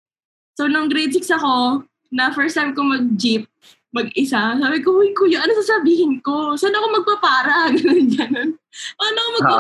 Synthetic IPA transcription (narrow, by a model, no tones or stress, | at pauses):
sownʊŋɡɾɛsɪksɐko̞ | nɐfɛɹst̪ajmkomɐɡ̚d͡ʒip̚ | mɐɡɪsasaːbɪkohʊjkojonɐnosasɐbiːhɪnkosanːoɐkomɐɡ̚pɐpaːɾɐɡɐnʊnɡɐnonʔanoɐkomɐɡpa